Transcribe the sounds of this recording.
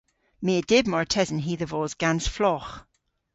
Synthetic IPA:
meːəd̥ɪbmɔɹtʰɛzənɦiːðəvɔːzɡansflɔx

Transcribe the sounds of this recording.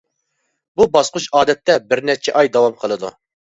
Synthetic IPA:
bubɑsqʊʃɑːd̪ɛt̪ʰːɛbɪɾnɛt͡ʃʰɛʔɑjd̪ɑwɑmqʰəlˠɨd̪ṵ

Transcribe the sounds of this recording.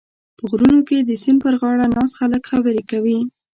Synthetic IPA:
pəɣɾunoked̪əsɪmpəɾɣɑɽanɑsxaləkxabəɾekawi

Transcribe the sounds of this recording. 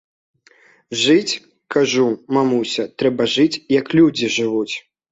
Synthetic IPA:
ʐɨt͡sʲ | kaʐumamusʲɐt̪ɾɛbɐʐɨt͡sʲjɐklʲud͡zʲiʐɨvut͡sʲ

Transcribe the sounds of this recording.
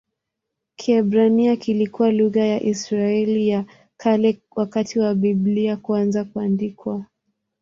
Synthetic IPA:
kʰiɛbɾaniakilikuwaluɣajaʔisɾaɛlija | kʰalɛwakatiwabibliakuanzakuandikwa

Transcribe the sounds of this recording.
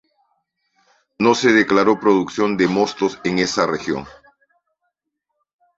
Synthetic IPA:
no̞se̞ð̞eklaɾo̞pɾo̞ðuksjo̞nd̪e̞mo̞st̪o̞seŋe̞sarexjo̞̰ŋ

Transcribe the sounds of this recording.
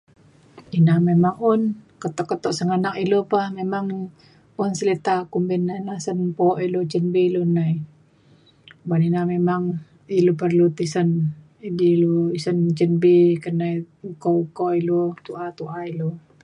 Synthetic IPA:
inamemaŋunkət̪ɔʔkət̪ɔʔsəŋanakilopahmemaŋ | unsəlit̪akumbinanasənpɔʔilot͡ʃənbilunai | baninamemaŋ | ilopərlut̪isən | idiluisənt͡ʃənbikənaj | ukoukoilot̪uʔat̪uʔailo

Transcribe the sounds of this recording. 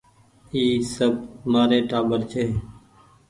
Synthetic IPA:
iːsəbmaːɾeːʈaːɓəɾt͡ʃʰeː

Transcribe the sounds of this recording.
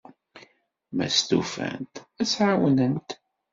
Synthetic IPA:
mæ̰st̪ufæ̰nt̪æsʕawnənt̪

